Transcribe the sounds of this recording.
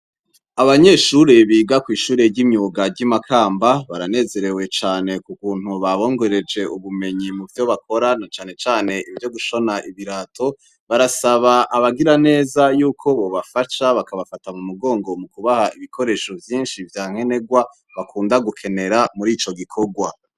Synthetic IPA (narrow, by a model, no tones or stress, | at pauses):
aβaɲe̞ʃuɾe̞βiːɡakwiːʃuːɾe̞ɟimɲuːɡaɟimakʰaːmbaβaɾane̞ːze̞ɾe̞we̞t͡ʃaːne̞kukuːn̥huβaβo̞ːŋɡo̞ɾe̞d͡ʒe̞uβume̞ɲimuvjoβakʰo̞ɾanat͡ʃaːne̞t͡ʃaːne̞ivjo̞ɡuʃo̞naʔiβiɾaːtʰo̞ | βaɾasaβaʔaβaɡiɾane̞ːzajuːkʰo̞βo̞βafaʃaβakaβafatamumuɡo̞ːŋɡo̞mukuβahaʔiβikʰo̞ɾe̞ʃo̞vjiːnʃivjaːŋ̥e̞ne̞ɡwa | βakʰuːndaɡukʰe̞ne̞ɾamuɾiːt͡ʃo̞ɡikʰo̞ɡwa